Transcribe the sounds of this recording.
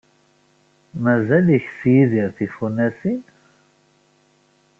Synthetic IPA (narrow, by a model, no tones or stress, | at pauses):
mæzæliçsjiðiɾθifunːæsin